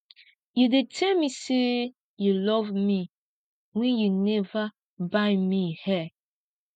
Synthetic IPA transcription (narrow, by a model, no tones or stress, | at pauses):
judetʰɛlmise | julɔvmi | wɛ̃njunɛva | baɪmihɛ